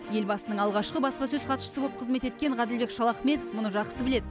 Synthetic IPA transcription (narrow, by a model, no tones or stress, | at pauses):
je̞lbɑsənəɴɑlˠʁɑʃqəbɑspɑsɵzqʰɑt̪ʃə̥əblˠəpqʰəzme̞t̪e̞t̪kʲe̞ɴʁɑd̪ɪlbe̞kʃɑlˠɑχme̞t̪ofmʊnəʒɑqsəbɪle̞d̪ɪ